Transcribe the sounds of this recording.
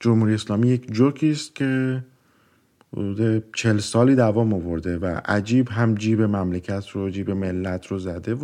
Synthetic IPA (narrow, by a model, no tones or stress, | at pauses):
d͡ʒomhuːɾieslɒːmiːje̞cʰd͡ʒokʰiːst̪̚cʰe̞ | ho̰d̪uːd̪e̞t͡ʃʰe̞lsɒːliːd̪ævɒːmovo̞ɾd̪e̞væ̰ʔæ̰d͡ʒiːbɦæmd͡ʒiːbe̞mæmlecʰæt̪ʰɾod͡ʒiːbe̞me̞lːæt̪ʰɾozæd̪e̞v